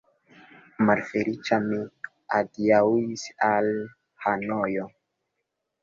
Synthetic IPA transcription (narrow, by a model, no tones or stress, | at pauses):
malfelit͡ʃami | adiawisal | hanojo